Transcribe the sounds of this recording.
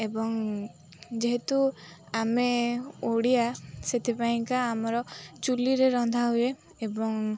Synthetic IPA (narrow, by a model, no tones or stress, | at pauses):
ebɔŋ | d͡ʒeɦet̪u | ameoɽijaset̪ʰipaĩŋkaːmɔɾɔt͡ʃuliɾeɾɔnd̪ʱaɦue | ebɔŋ